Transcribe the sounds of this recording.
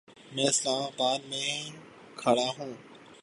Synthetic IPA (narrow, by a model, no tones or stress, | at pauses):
mɛ̃ːɪslaːmabaːd̪mẽ | kʰɐɽaɦũː